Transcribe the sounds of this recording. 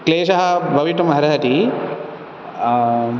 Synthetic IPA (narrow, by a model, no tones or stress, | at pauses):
kleːʃɐɦɐbʱɐʋiʈumɐɦɐɾɐɦɐʈ̪i